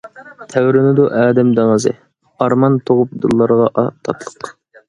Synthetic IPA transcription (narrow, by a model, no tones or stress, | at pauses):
t̪ʰæwɾɪnɪd̪uʔæːd̪ɛmd̪ɑmɨzɨ̰ | ɑɾmɑnt̪ʰoʁʊp̚d̪ṵlˠːɑɾʁɑʔɑt̪ʰɑt̪lˠə̥q